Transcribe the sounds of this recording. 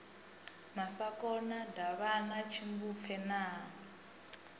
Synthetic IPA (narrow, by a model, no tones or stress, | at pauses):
masakɔnadaβanat͡ʃʰimbup̪fʰɛnaː